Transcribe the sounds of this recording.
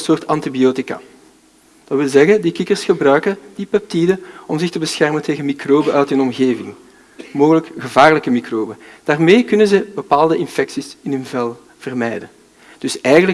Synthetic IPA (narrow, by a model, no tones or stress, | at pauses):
əsoːrtɑntibioːtɪka̰ | d̥ɑtwɪlˠzɛɣədikɪkərsxəbrœɥkəd̥ipɛp̚tidəɔmzɪxtəbəsxɛrməntʰeːɣənmikroːbəʔœːtɪnɔmɣeːvɪŋ | moːɣələkɣəvaːrələkəmikroːbəd̥aːrmeːkʏnənzəbəpaːlˠdəɪnfɛksisɪnɵnvɛlˠ | v̥ərmɛjdə | d̥ʏsɛjɣənlə